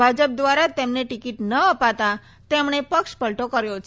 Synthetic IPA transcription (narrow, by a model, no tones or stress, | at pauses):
bʱad͡ʒəp̚d̪ʋaɾat̪emneʈikiʈnəəpat̪a | t̪emɳ̃epəkʃpəlʈokəɾjot͡ʃʰ